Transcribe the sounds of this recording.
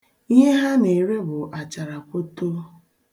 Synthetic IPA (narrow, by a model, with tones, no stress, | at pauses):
i˦ɦe˦ɦa˦ne˨ɾe˦bʊ˨ʔa˨t͡ʃa˨ɾa˨ko˦to˦